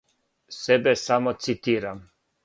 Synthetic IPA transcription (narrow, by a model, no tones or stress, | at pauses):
sɛbɛsamot̪sit̪iːɾam